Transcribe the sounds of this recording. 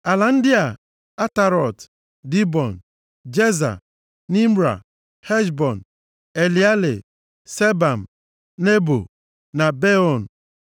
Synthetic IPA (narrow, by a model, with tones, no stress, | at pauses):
a˨la˨n̩˦dɪ˦a˨ | a˦ta˨ɾɔ˨t | di˦bɔ˨n̩˨ | d͡ʒe˦za̰˨ | ni˦mɾa̰˨ | he˦ʃbɔ˨n̩˨ | e˨li˨a˦lḛ˨ | se˦ba˨m̩˨ | ne˦bo̰˨ | na˨be˦ɔ˨n̩˨